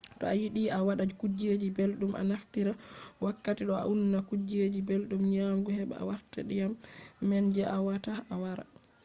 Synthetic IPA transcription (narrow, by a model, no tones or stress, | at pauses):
tɔ̰ajiɗiawaɗad͡ʒikud͡ʒed͡ʒibelɗumʔa̰naftiɾawakːatiɗɔa̰ʔunnakud͡ʒed͡ʒibelɗumɲamɡuhɛɓɛ̰a̰waɾta̰ɗijamːɛnd͡ʒɛʔawataawaɾa̰